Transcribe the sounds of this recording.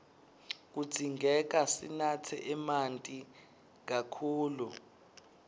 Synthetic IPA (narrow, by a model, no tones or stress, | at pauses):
k̬ud̥d͡z̥ʱiŋɡʱɛk̬asḭnatʰɛ̰ʔɛmantʼi | k̬akʰuːlu